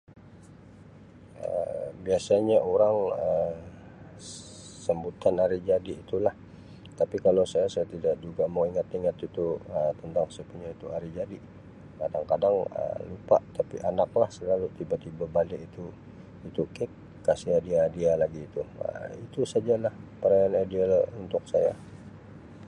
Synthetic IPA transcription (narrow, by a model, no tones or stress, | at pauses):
ə̰biasaɲaʔoɾaŋə | səmbut̪anaɾid͡ʒadiːt̪ulah | t̪apikalawsajasajat̪idaʔ̚d͡ʒuɡaməŋiŋat̪iŋat̪it̪uət̪ənt̪aŋsəpuɲait̪uaɾid͡ʒadi | kadaŋkadaŋə̰lupa̰ʔt̪apiʔanak̚lahsəlalut̪ibat̪ibabalɪʔit̪u | it̪ukɪk | kːasiadiadialaɡiːt̪uə̰it̪usad͡ʒalahpəɾajanadiɛlunt̪ʊk̚saja̰